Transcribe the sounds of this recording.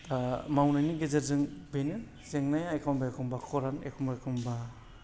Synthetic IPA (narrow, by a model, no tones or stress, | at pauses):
mawnajniɡezeɾzɯŋbenin | zeŋnajajkʰawmbajkʰɔmbakʰɔɾana̰jkʰɔmbajkʰɔmba